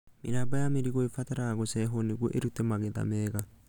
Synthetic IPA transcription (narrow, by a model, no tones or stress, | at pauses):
miɾabajameɾiɣoefataɾaɣosɛɦoniɡoʔeɾutemaɣeða̰mɛːɣa